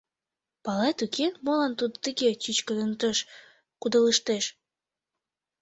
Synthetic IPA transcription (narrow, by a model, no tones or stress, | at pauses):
pɑlet̪ukenmolɑnt̪ud̪t̪əɣet͡ɕyt͡ɕkənənt̪əʃ | kud̪ələʃt̪eʃ